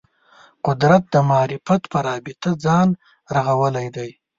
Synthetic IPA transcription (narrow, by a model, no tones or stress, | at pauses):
qʊd̪ɾat̪̚d̪əmɑːɾɪfat̪pəɾɑbɪt̪ad͡zɑn | ɾaɣawəlajd̪aj